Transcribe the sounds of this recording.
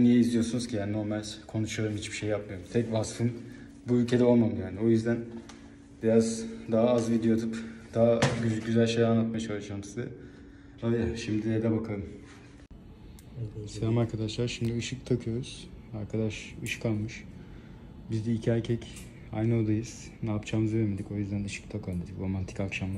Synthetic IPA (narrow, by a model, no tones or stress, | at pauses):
nijiizlijo̞sunuz̥cʰijaːnino̞ɾmalʲkʰo̞nuʃujoɾumhit͡ʃbi̥ʃejːapmɯjoɾumt̪ʰɛcvasfɯn | buylʲcʰe̞d̪ɛo̞lˠmamɯd̪jaːnio̞jyzd̪æn | biɾazd̪aɦaazvid̪ejod̪upd̪̥aɦaɟyzælʲʃejanːˠat̪majat͡ʃʰalˠud͡ʒaːmɯzd̪ɯ | ad̪aʃimd̪inɛd̪ɛbakʰalˠɯm | seamaɾkʰad̪aʃlˠaɾʃimd̪iɯʃɯkt̪ʰakʰɯjo̞ɾuz̥aɾkʰad̪aʃɯʃɯ̥kalˠmɯʃ | bizd̪ɛicʰiæɾcʰɛc | a̰jno̞d̪ajɯz̥ | naːpt͡ʃʰaːmɯzevemed̪ico̞jyzd̪ænɯʃɯ̥k̚t̪ʰakʰand̪ed̪ikɾo̞mant̪ʰi̥cakʃamlˠ